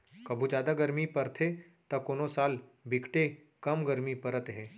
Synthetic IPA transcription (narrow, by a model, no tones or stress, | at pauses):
kɐbʱũd͡ʒjaːd̪aɡɐɾmipɐɾt̪ʰe | t̪ɐkoːnosaːlbɪkʰʈe | kɐmɡɐɾmipɐɾət̪ɦɛ̃ː